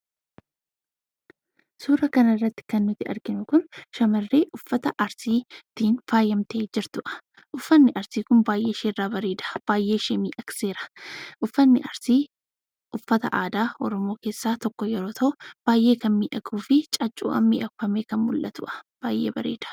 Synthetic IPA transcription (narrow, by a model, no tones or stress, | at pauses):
suːɾɐkɐnɐɪrːɐt̪ːɪ̥kɐnːʊt̪ːɪʔɐ̰ɾɡɪnʊkʊnʃɐmɐrːe̞ːʔʊfːɐt̪ɐʔɐɾsiːt̪iːnfaːjɐmt̪e̞ːd͡ʒɪɾt̪ʊʔɐ̥ | ʔʊfːɐnːɪʔɐɾsiːkʊnbaːjʔe̞ːɪʃeːrːaːbɐɾeːd̪ɐ̥b̥aːjʔe̞ːʃemḭːʔɐkse̞ːɾɐ̥ʔʊfːɐnːɪʔɐɾsiː | ʔʊfːɐt̪ɐ̰ʔaːd̪aːɔɾɔmo̞ːke̞ːsːaːt̪ɔkːɔjɛɾo̞ːt̪ʰɐʔʊb̥aːjʔe̞ːkɐnmiːʔɐɡuːfɪt͡ʃʼɐt͡ʃʼṵːʔɐ̰mːḭːʔɐkʊfɐmeːkɐnmʊlʔɐt̪ʊ̰ʔɐ̥b̥aːjʔḛːbɐɾḛːd̪̥ɐ̥